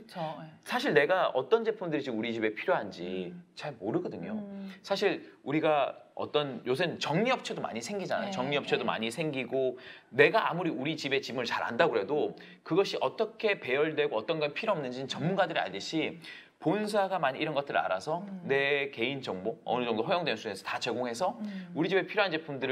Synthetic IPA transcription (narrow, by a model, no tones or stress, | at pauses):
ɯt͡ɕʰosʰaɕʰiɭne̞ɡaʌt͈ʌnd͡ʑe̞pʰɯmdɯɾit͡ɕɯmuɾit͡ɕibe̞pʰiɾjoɦand͡ʑit͡ɕaɭmoɾɯɡʌdɯɲosʰaɕʰiɭuɾiɡaʌ̰t͈ʌnjos̬ʰɯnt͡ɕʌŋɲiʌp̚t͡ɕʰedoma̰ɲisʰe̞ŋɡid͡ʑana̰jot͡ɕʌŋɲiʌp̚t͡ɕʰedoma̰ɲisʰe̞ŋɡiɡone̞ɡaʔa̰muɾiuɾit͡ɕibe̞t͡ɕimɯɭt͡ɕaɾɦa̰ndaɡoɾe̞do | kɯɡʌɕʰiʔʌt͈ʌkʰe̞pe̞jʌɭdwe̞ɡoʌt͈ʌnɡʌnpʰiɾoʌmnɯnd͡ʑinɯnt͡ɕʌŋmunɡadɯɾia̰ɭdɯɕʰi | pons̬ʰaɡamaɲiːɾʌnɡʌt͈ɯɾɯɭa̰ɾasʰʌne̞ke̞ind͡ʑʌŋboʌ̰nɯd͡ʑʌŋdoɸʌjoŋdwensʰuesʰʌtat͡ɕwe̞ɡoŋɦe̞sʰʌuɾid͡ʑibe̞pʰiɾjoɦand͡ʑe̞pʰumdɯɾɯ